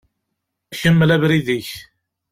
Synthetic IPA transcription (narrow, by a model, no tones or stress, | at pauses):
æçəmːəlævɾiðiç